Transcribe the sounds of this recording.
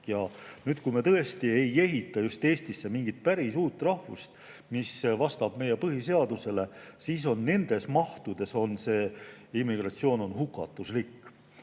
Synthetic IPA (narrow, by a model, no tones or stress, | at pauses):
jɑnyːd̪̥̚kujmet̪ɤ̞est̪ie̞je̞ɦit̪ːˑɑjust̪e̞ːst̪isːe̞miŋɡ̥it̪̚pæɾisuːt̪ːˑrɑhvṵst̪ | misvɑst̪ɑb̥me̞je̞pɤhise̞ɑd̪̥use̞le̞siːs̬o̞nːe̞nd̪̥e̞smɑht̪ud̪̥e̞so̞nse̞ːimːiɡ̥rɑt̪sio̞ːno̞nɦukːˑɑt̪ːˑuslikː